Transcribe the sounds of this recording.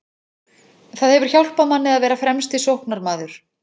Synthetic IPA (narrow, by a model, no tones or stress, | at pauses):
θaðhɛvʏɾ̥çawl̥pamanːɪðaðvɛːɾafɾɛmst̪isowhknaɾmaːðʏɾ̥